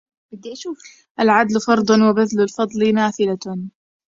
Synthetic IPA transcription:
bɪd̪iʃuːf | ʔalʕad̪lfɑɾˤd̪ˤɑnwɪbaðlalfɑd̪ˤlinaːθɪla

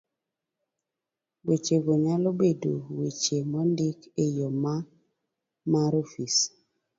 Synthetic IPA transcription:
wet͡ʃeɡoɲalobedowit͡ʃemɔndikejoma | maɾofis

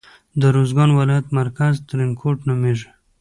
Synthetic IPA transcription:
d̪əɾozɡɑnwalɑjat̪maɾkazt̪ɾɪnkʰoʈnameʒ

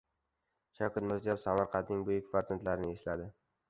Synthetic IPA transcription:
ʃʰɒkʰʲat̪mʊzjapsamaɾqʰɑt̪nɪŋbʊjɪkʲvaɾzant̪laɾɪnɪeslad̪ɪ

